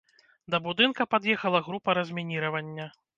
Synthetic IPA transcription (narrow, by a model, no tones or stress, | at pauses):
d̪ɐbud̪ɨnkɐpad̪jɛxɐlˠɐɣɾupɐɾɐzʲmʲinʲiɾɐvɐnʲːɐ